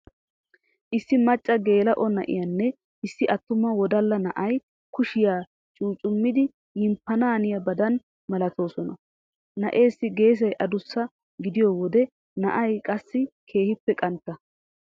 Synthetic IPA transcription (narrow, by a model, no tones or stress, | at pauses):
ʔɪsːɪmɐt͡ʃʼːɐɡe̞ːlɐʔɔnɐ̰ʔɪ̰jɐnːɛ | ɪsːɪʔɐt̪ːʊmːɐwɔd̪ɐlːɐnɐʔɐj | kʊʃɪjaː | t͡ʃʼuːt͡ʃʼʊmːɪd̪ɪ | jɪmpːɐnaːnɪjɐbɐd̪ɐn | mɐlɐt̪o̞ːsɔnɐ̰ | nɐ̰ʔe̞ːsːɪɡe̞ːs̬ɐjʔɐd̪ʊsːɐ | ɡɪd̪ɪjɔwɔd̪ɛ | nɐʔɐjkʼɐsːɪkʰe̞ːhɪpːɛkʼɐnt̪ːɐ